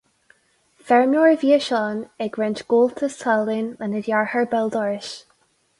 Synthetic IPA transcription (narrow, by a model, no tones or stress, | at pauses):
fɛɹmjɔɹəviəʃɔnɛɡɹɛnt͡ʃɡ̥olˠtʰəstʰalˠɪnənɪdjaɹhəɹbɛlˠd̪ɔɹɪʃ